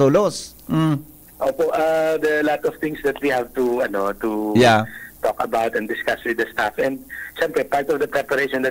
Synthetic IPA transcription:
oːlosm̩ | ʔoːpoʔad̪ɐlat̪ɔvt̪ɪ̃ŋsd̪ɐt̪wihævt̪uɐnot̪ujat̪ɔkɐbawt̪ɛ̃nd̪ɪskaswɪd̪ɐst̪afʔɛ̃nd̪̚ʃɛmpɾɛpaɹt̪ɔvd̪ɐpɾɛpɐɾeʃɔ̃nd̪ɐ

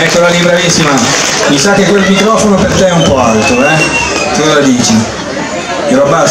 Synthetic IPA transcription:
ɛkːolalibɾavisːimamisakːekwelmikɾɔfonopert̪eɛumpɔalt̪ɾoɛk̪ɔzalad̪iːt͡ʃi | eɾɔba

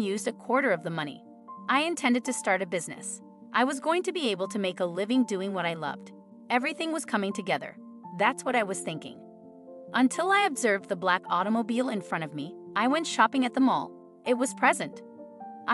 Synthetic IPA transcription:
jʉzdɨkʰw̥ɔɹɾə˞ʌvðəmʌñḭ | ʔaɪɨ̃ntʰɛ̃ndɨd̚tɨstɑɹɾɨbɪznɨ̰s | ʔaɪwʌzɡoʊɪ̃ŋtʰɨbieɪbl̩ˠtʰɨmeɪkəlɪvɪ̃ŋdʉɪ̃ŋwʌɾaɪlʌ̰vd̥ | ɛvɹiθɪ̃ŋwʌz̥kʰʌmɪ̃ŋtʰɨɡɛðə̰˞ | ðætswʌɾaɪwʌz̥θɪ̃ŋkɪ̰̃ŋ | ʔə̃ntʰɪlˠaɪɨbzɜ˞vðəblækʰɔɾəmoʊbilˠɨ̃nfɹʌ̃ɾ̃ʌvmiʔaɪwɛ̃ntʃɑpɪ̃ŋɨt̪̚ðə̃mɔ̰lˠ | ʔɨt̚wʌz̥pʰɹ̥ɛzɨ̃nt | ʔ

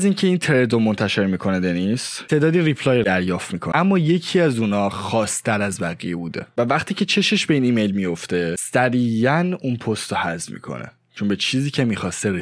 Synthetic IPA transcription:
ziːncʰe̞int̪ʰeɾed̪omont̪ʰæʃe̞ɾmiːkʰo̞næd̪enist̪t̪ʰe̞ːd̪ɒːd̪iɾipʰlɒːjd̪æɾjɒːft̪miːkʰoæmːɒːje̞cʰiæzuːnɒːxɒːst̪ʰæɾæzbæɣijebṵːd̪e̞̰vævæχt̪ʰiːcʰe̞t͡ʃʰe̞ʃeʃb̥e̞iːniːmejlmijo̞ft̪e̞sæɾiːjænunpʰost̪ohæzmḭːkʰo̞̰nʔḛ | t͡ʃʰo̞nbe̞t͡ʃʰiːziːcʰe̞miːxɒːst̪eɾe

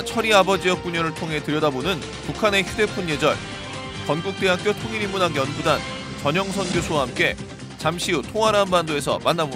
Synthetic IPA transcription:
t͡ɕʰʌɾiabʌd͡ʑijʌk̚k͈uɲʌɾɯɭtʰoŋɦe̞tɯɾjʌdabonɯn | pukʰane̞çjude̞pʰunje̞d͡ʑʌɭ | kʌnɡuk̚t͈e̞ɦak͈̚jotʰoŋiɾimunaŋjʌnɡudan | t͡ɕʌɲʌŋsʰʌnɡjosʰowaɦamk͈e̞ | t͡ɕamɕʰiutʰoŋɦaɾɦanbandoe̞sʰʌ̰manːabo

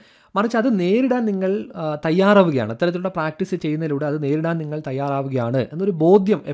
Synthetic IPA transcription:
mɐrɐt͡ɕːɨɐðɨne̞ːɾuɽaːnniŋːɐɭt̪ɐjːaːraːʋuɣɐja̰ːɳɨit̪ːɐɾɐt̪ːiluɽepraːk̚ʈisɨt͡ɕe̞jːunːɐðiluːɽeɐðɨne̞ːɾuɽaːnniŋːɐɭt̪ɐjːaːraːʋuɣɐjaːɳɨʔe̞nːo̞ɾubo̞ːd̪ʱjɐme

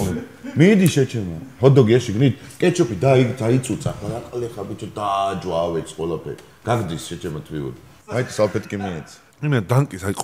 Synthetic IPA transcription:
ɔmid̪iʃɛt͡ʃʰɛmɔhɔd̪ɔɡiɛʃiɡnit̪ʰkʼɛt͡ʃʰɔpʰid̪aid̪ait̪sʼut̪sʼaχaɾaqʼlɛχabit͡ʃʰɔd̪ad͡ʒwawɛt̪sʰʼqʼwɛlapʰɛ̰ɾi | ɡ̥aɡd̪isʃɛt͡ʃʰɛmat̪ʰwiṵd̪i | ait̪ʰsapʰɛt̪ʰkʼimɛːt̪sʰ | imɛd̪aŋkʼisaiqʼ

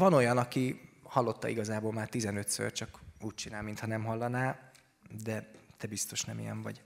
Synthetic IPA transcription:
vɒno̞jɒnɒkihɒlːo̞t̪ːɒ̰iɡɒzaːbolmaːrt̪izɛnøt̪sø̰t͡ʃɒkuːc̚t͡ʃinaːlmint̪hɒnɛmɦɒlːɒnaːl | d̪ɛt̪ɛbist̪o̞ʃnɛmḭjɛ̰ɱvɒ̰ɟ

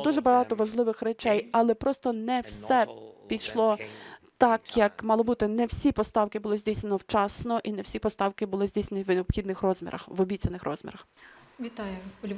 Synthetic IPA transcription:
d̪uʒɛbɐɦɑt̪ɔʋɐʒlˠɪʋɪxrɛt͡ʃɛjɐlˠɛpɾɔst̪ɔnɛwsɛpʲijʃlˠɔt̪ɑkjɐkmɑlˠɔbut̪ɪnɛwsʲipɔst̪ɑwkɪbʊlˠɪzʲdʲijsʲnʲenɔwt͡ʃɑsnɔʔinɛwsʲipɔst̪ɑwkɪbʊlˠɪzʲdʲijsnʲenʲiwneɔpxʲid̪nɪxrɔzʲmʲḭɾʔɐ̰xʋɔbʲit͡sʲɐnɪxrɔzʲmʲḭɾɐx | ʋʲit̪ɑjʊɔlʲ

